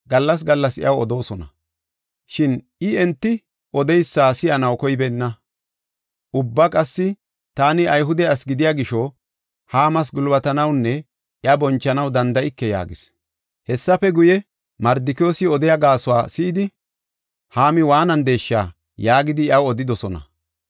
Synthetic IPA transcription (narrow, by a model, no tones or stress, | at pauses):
ɡɐlːɐs̬ɡɐlːɐsɪ̰ʔɐwɔ̰d̪o̞ːsɔnɐ̰ | ʃɪn | ɪɛnt̪ːɪ | ɔd̪ɛjsːaːsɪjɐnɐwkɔjbɛnːɐ | ʔʊbːɐkʼɐsːɪ | t̪aːnɪʔɐjɦʊd̪ɛɐsɡɪd̪ɪjaːɡɪʃɔ | haːmɐs̬ɡʊlbɐt̪ɐnɐwnːɛ | ʔɪɐbɔnt͡ʃːɐnɐwd̪ɐnd̪ɐʔɪkːɛja̰ːɡɪs | hɛsːɐfɛɡʊjɛ | mɐɾd̪ɪkjoːsɪɔd̪ɛjɐɡaːsʊwa̰ːsɪːd̪ɪ | haːmɪwaːnɐnd̪e̞ːʃːa̰ː | jaːɡɪd̪ɪɪɐwɔd̪ɪd̪ɔsɔnɐ̰